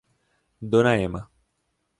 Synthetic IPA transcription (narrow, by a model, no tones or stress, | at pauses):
d̪onajema